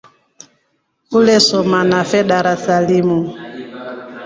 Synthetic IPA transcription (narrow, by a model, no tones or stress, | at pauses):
ulɛsɔmanafɛɗaɾasalimu